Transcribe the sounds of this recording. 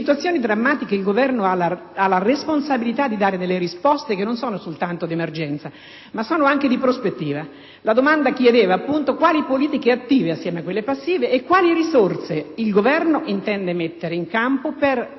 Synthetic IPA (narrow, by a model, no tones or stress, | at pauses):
sit̪uat̪sːjoːnid̪ɾamːaːt̪ikeilɡovɛrnoalaalaresponsabilit̪ad̪ːid̪aːɾed̪elːeɾispɔst̪ekenːonsoːnosolt̪ant̪od̪emerd͡ʒɛnt̪sa | masːoːnoaŋked̪ipɾospet̪ːiːva | lad̪omand̪akjed̪eːvaːpːunt̪okwaːlipoliːt̪ikeat̪ːiːveasːjɛːmeakːwelːepasːiːveʔːkːwaːliɾisort̪seilɡovɛrnoʔint̪ɛnd̪emet̪ːeɾeiŋkampoper